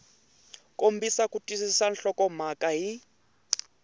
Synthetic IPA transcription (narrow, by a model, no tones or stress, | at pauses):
kʼombʱisakʼutʼisisanɬɔkʼɔm̤akʼaɦi